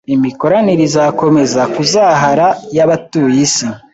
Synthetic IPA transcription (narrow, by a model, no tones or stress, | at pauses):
imiko̞ɾaniɾizako̞me̞zakuzaːɦaɾajaβatujisi